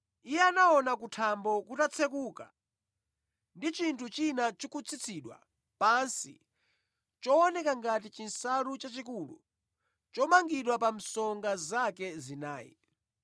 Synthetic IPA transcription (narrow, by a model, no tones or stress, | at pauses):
ijɛanaɔnak̬utʰambɔkutat͡sʰɛkuːka | ndit͡ʃintʰut͡ʃinat͡ʃikut͡sʰit͡sʰiɗwa̰ | pansḭ | t͡ʃɔɔnɛkaŋɡatit͡ʃinsaɾut͡ʃat͡ʃikulṵ | t͡ʃɔmaŋɡiɗwapam̩sɔŋɡazakɛzinaːjḭ